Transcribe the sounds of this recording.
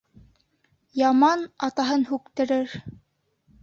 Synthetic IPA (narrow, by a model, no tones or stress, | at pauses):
jɑmɑnɑt̪ɑɦɤnhʉk̚t̪ɘ̆ɾɘɾ